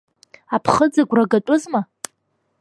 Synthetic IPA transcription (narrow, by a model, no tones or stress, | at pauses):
apʰχəd͡zaɡʷraɡatʷʼʊzma